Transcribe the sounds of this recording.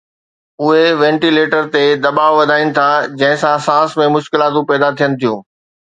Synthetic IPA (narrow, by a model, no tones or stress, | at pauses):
ʊɦeʋɛ̃ːɳʈileːʈəɾt̪ed̪ɐbaːʋʋɐd̪ʱaːinɪ̆t̪ʰad͡ʑɐ̃ɦɪ̃sãsãːsmẽmʊʃkɪlaːt̪̬ũpɛːd̪at̪ʰijənɪ̆t̪ʰijũː